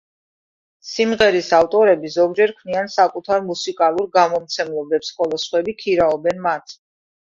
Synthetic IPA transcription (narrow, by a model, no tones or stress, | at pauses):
simʁɛɾisaft̪ʼɔɾɛbizɔɡ̚d͡ʒɛɾkʰvniansakʼut̪ʰaɾmusikʼalˠuɾɡamɔmt̪sʰɛmlˠɔbɛpsχɔlˠɔsχwɛbikʰiɾaɔbɛnmat̪ʰ